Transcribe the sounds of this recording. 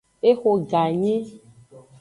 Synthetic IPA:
e˦xo˧ɡa˨ɲẽ˦

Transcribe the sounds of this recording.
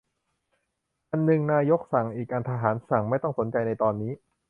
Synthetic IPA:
ʔa˧nːɯ˨˩ŋnaː˧jo˦˥k̚sa˨˩˦ŋʔiː˨˩k̚ʔaː˧nt̪ʰaː˧ɦaː˩˦nsa˨˩ŋma˥˩jt̪ɔ˥˩ŋso˩˦nt͡ɕa˧jna˧jt̪ɔː˧nːiː˦˥

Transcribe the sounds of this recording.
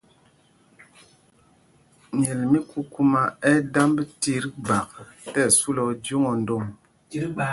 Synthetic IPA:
ɲɛ˨lmi˦ku˦ku˦ma˦ɛ˦da˦mbti˦ɾba˨k̚tɛ˦˨su˦lɔ˨d͡ʒo˦ŋo˨n̩˦do˦˨m

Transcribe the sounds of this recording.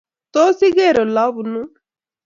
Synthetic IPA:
t̪o˦si˦ɡe˦˨ɾo˨laː˦bu˨nu˦

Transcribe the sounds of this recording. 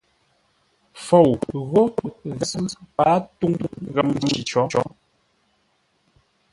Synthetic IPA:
fɔ˨wɣɔ˦ɣɛ˦pa˨˦tu˦ŋ˦ŋɣɛ˨m˨i˨t͡ʃɔ˨˦t͡ʃɔ˨˦

